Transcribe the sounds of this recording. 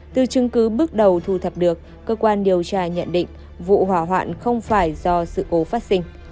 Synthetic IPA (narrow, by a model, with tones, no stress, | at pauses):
t̪ɨ˨˩t͡ɕɨ˨˧˦ŋkɨ˨˦ɓɨ˦˥ək̚ɗə˨˩wt̪ʰu˨˧˩t̪ʰə˨˩p̚ɗɨ˨˩əkːəː˧kwaː˧nɗi˨˧˩əwt͡ɕaː˧ɲə̰˧˨nɗḭ̈˧˨ŋ̟ | vṵ˧˨ɦwaː˧˩ɦwa̰ː˧˨nxə˧wŋ͡mfaː˧˩jzɔ˧sɨ̰˧˨ko˨˦faː˦˥t̚sï˧ŋ̟